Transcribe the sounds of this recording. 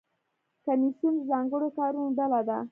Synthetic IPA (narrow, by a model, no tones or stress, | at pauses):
kamisjunzɑŋɡəɽokɑɾunoɖalad̪a